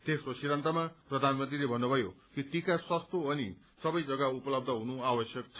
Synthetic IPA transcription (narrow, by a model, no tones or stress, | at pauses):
t̪esrosiɾʌnt̪ʌmaprʌd̪ʱanmʌnt̪rilebʱʌnːubʱʌjo | kit̪ikaswʌst̪oʌni | sʌbʌjd͡zʌɡaupʌlʌb̚d̪ʱʌɦunuabʌsjʌk̚t͡sʰʌ